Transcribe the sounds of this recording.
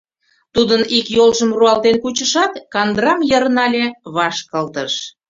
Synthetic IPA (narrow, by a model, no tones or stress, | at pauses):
t̪ud̪ənikjolʒəmruɑlt̪enkut͡ɕəʃɑt̪kɑnd̪rɑmjəɾnɑlʲeβɑʃkɑlt̪əʃ